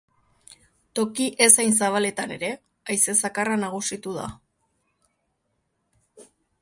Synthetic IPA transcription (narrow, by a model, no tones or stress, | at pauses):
t̪o̞kiʔe̞sajns̬aβ̞ale̞t̪ane̞̰ɾe̞ | ajse̞sakaranaɣ̞usit̪uða̰